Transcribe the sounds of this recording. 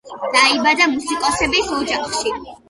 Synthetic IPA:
d̪̥aibad̪amusikʼɔsɛbisɔd͡ʒaχʃi

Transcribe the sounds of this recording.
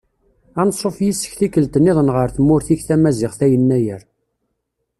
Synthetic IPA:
ænəsˤofjisːə̥çθikːəlt̪ənːɪðˤənʁəɾθəmːʊɾθiçθæmæzɪʁθæjənːæjəɾ

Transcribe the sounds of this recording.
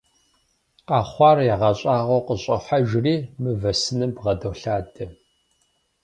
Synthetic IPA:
qɑːχʷɑːrjaʁɑɕʼɑːʁɐwqəɕʼɐħaʒriːmɨvɐsɨnɨbʁɐdowɬaːdɐ

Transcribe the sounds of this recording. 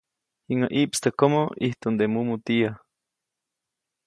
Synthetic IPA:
hiŋaʔiʔpst̪ekomoiht̪und̪emumut̪ia

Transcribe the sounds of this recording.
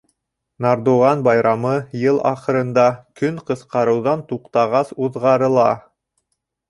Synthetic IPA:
nɑɾd̪uʁɑnbɑjɾɑmɤjɤlˠɑ̰χɤ̆ɾɤ̆nd̪ɑkɵŋqɤ̆sqɑɾɤ̆wðɑnt̪uqt̪ɑʁɑsuðʁɑɾɤ̆lˠɑ

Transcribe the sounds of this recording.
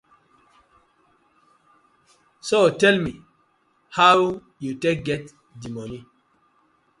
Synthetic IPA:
sotɛlmi | haw | jutek̚ɡɛt | dimɔni

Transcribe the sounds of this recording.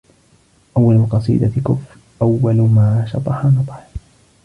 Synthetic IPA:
ʔawːalmʊqɑsˤḭːd̪akʊf | ʔawːalmaːʃɑt̪ˤɑħanɑt̪ˤħ

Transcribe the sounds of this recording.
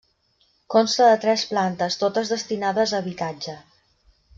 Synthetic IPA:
konst̪əðət̪ɾɛsplant̪əst̪ot̪əzðəst̪inaðəzəːβit̪ad͡ʒə

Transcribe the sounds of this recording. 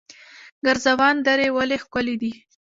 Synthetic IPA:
ɡaɾzawɑnd̪aɾewalexkʊlid̪i

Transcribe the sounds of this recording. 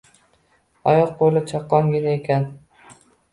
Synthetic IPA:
ɒjɒq̚bolɪt͡ʃʰɒqːɒŋɡʲɪnaekʲʰan

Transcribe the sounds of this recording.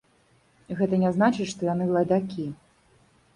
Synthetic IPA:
ɣɛt̪ɐnʲɛznat͡ʂɨt͡ɕʲʂt̪ɔjanɨlˠɐd̪akʲi

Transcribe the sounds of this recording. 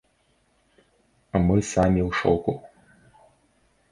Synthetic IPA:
ɐmɨsamʲiwʂɔwku

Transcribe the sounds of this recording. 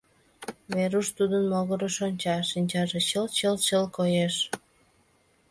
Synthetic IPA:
βeɾuʃt̪ud̪ənmoɣəɾəʃonʲt͡ɕɑʃinʲt͡ɕɑʒeɕəlt͡ɕəlt͡ɕəlkojeʃ

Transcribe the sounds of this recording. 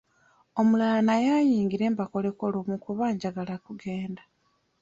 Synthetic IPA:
o̞mulalanajajiːŋɡiɾe̞ːmbako̞le̞kolumukuβaːɲɟaɡalakuɡe̞ːnda

